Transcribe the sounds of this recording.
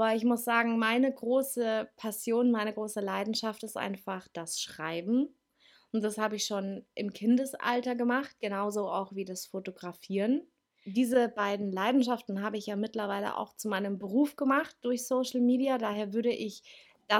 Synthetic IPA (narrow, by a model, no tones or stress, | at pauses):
ʔbɐɪçmʊsz̥aːɡŋ̩maɪnəɡʁoːsəpʰasjoːnmaɪnəɡʁoːsəlaɪdn̩ʃaftɪstʔa̰ɪnfaχd̥asʃʁ̥a̰ɪbm̩ | ʊnt̚d̥ashaːbəɪçʃoːnʔɪmkʰɪndəsʔa̰ltɐɡəmaχt̚ɡ̥ənaʊzoa̰ʊxv̥iːdasfotoɡʁafiːʁən | diːzəbaɪdn̩laɪdn̩ʃaftn̩ɦaːbəɪçjaːmɪtlɐvaɪlə̰ʔa̰ʊxt͡sumaɪnəmbəʁ̞uːfɡ̥əmaχt̚d̥ʊɐçsoːʃl̩miːdiadaːɦeːɐvʏɐɾəʔɪç | d̥a